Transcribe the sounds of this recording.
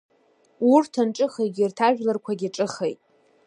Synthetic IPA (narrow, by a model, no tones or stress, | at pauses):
urtʰanʈ͡ʂʼɨχejɡʲirtʰaʒᶣlarkʷʰaɡʲiʈ͡ʂʼɨχejtʼ